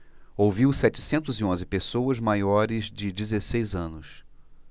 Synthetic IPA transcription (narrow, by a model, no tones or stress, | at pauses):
owviwsɛt͡ʃɪ̥sẽnt̪ʊziõzɪpesowɐzmajɔɾɪzd͡ʒɪd͡ʒizesejzɐ̃nʊs